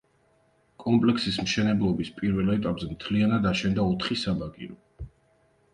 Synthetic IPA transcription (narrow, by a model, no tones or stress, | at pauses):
kʼɔmpʼlɛksismʃɛnɛblˠɔbispʼiɾvɛlɛt̪ʼapʼzɛmt̪ʰlianad̪aʃɛnd̪aɔt̪ʰχisabaɡḭɾɔ